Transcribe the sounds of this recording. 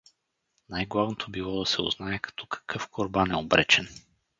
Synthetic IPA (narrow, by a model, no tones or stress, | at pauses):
najɡlˠavnot̪ʰobilˠɔd̪ɐsɛʊ̰znaɛkɐ̥t̪ʰɔkɐ̥kʰɤfkoɾbanɛobɾɛt͡ʃɛn